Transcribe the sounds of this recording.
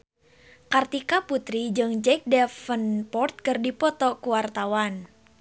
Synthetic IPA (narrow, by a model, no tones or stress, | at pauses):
kart̪ikaput̪ɾid͡ʒɨŋd͡ʒɛk̚dɛfənpɔrt̪̚kɨrdipɔt̪ɔkuwart̪awan